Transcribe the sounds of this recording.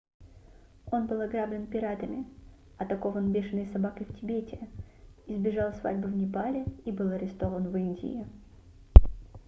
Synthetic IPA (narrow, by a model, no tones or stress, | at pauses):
o̞nbɨlˠɐɡɾablʲɪnpʲɪɾat̪əmʲɪ | ɐt̪ɐko̞vənbʲeʂɨnːəjsɐbakəjftʲɪbʲetʲɪɪzbʲɪʐalˠsva̰dʲbʊvnʲɪpalʲɪibɨlˠɐɾʲɪst̪o̞vənvɨnʲdʲɪ̰ɪ